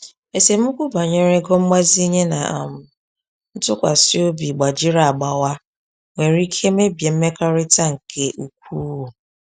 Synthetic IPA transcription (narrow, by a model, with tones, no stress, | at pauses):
e˨se˨mu˦kʷu˦ba˨ɲe˦ɾe˦ɡɔ˦m̩˦ma˦zi˦ɲe˦na̰˨m̩˨ | n̩˦tʊ˦kʷa̰˨sɪ˦o˦bi˨ɡ͡ba˨d͡ʒi˦ɾa˨a˨ɡ͡ba˨wa˦ | ŋʷe˨ɾi˦kʰe˦me˦bje˨m̩˦me˦ka˦ɾɪ˦ta˦ŋ̩˨kʰe˦ʔu˨k̚ʷu˦u˨